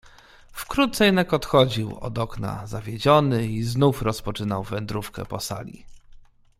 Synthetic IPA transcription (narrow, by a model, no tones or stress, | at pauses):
fkɾut̪sɛjnakɔt̪xɔd͡ʑiwɔ̰d̪ɔkna̰zavʲjed͡ʑɔnɘiznufɾɔspɔt͡ʂɘnawvɛnd̪ɾufkɛ̰pɔsa̰lʲḭ